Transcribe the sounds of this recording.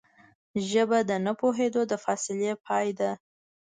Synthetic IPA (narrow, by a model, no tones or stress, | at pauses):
ʒəbad̪ənəpoɦed̪od̪əfɑsɪljepʰɑjd̪a